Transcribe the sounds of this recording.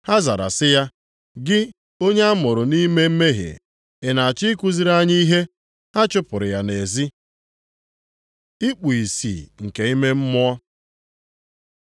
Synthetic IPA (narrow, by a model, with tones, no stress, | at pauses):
ha˦za˨ɾa̰˨sɪ˦ja˦ | ɡɪ˦ | o˦ɲe˦a˦mʊ˨ɾʊ˨ni˦me˦m̩˦me˦ɦḛ˨ | e˨na˨a˨t͡ʃɪ˦ku˦zi˦ɾa˦ɲi˦i˦ɦe˦ | ha˦t͡ʃʊ˦pʊ˨ɾɪ˨ja˨ne˨zi˦ | i˦k͡pu˨i˨sḭː˨ŋ̩˨ke˨i˦me˦m̩˦mʊ˦ɔ˦